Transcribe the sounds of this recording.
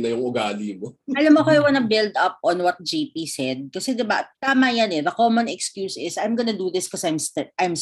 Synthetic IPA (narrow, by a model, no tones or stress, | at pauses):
nɐjʊŋʊɡaːlimoɐlamːokoɐjwɐnɐbɪld̪ʔɐp̚ɔnwɔt̪̚d͡ʒipisɛd̪̚kɐsɛd̪ɪba̰t̪aːmɐjanɛðɐkomonɛkskjuːsɪsɐjmɡonɐd̪uðɪskosʔɐjmst̪ɛʔɐjms